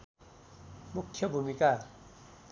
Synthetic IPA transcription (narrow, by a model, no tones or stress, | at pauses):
mukʰːjʌbʱumika